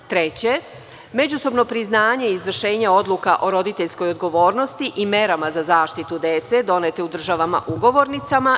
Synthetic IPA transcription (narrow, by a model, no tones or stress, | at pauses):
t̪ɾet͡ɕe̞ | me̞d͡ʑuso̞bno̞pɾiznaːɲe̞izʋr̩ʃe̞ːɲeo̞d̪lˠukaʔo̞ɾo̞d̪it̪e̞ʎsko̞jod̪ɡo̞ʋo̞ːɾnost̪iʔime̞ɾamazazaːʃt̪it̪ud̪e̞t̪se̞d̪o̞net̪eud̪r̩ʒaʋama̰ʔuɡo̞ʋo̞ɾnit̪sama